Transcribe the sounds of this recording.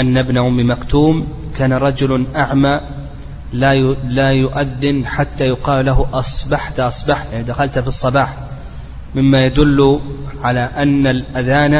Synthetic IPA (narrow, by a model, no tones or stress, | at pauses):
ʔanːabnaʔʕʊmːimakt̪uːm | kaːnaɾˤɑd͡ʒʊlʔaʕmaː | lalaːjʊʔaðːɪnħat̪ːajʊqɑːllːaɦʊʔɑsˤbɑħt̪ʔɑsˤbɑħjaʕnid̪axalt̪fisˤːɑbɑːħ | mɪmːajad̪ʊlːʊʕalaːʔanːalʔaðaːn